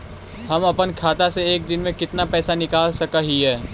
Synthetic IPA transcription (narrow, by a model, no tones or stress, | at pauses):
hɐmɐpənkʰaːt̪aseeːk̚d̪ɪnmẽkɪt̪napɛːsanɪkaːlsɐkaɦiɦɛː